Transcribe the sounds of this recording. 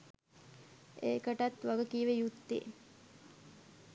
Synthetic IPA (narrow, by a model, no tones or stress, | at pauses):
eːkəʈat̪ʋaɡəkiʋejut̪ːḛː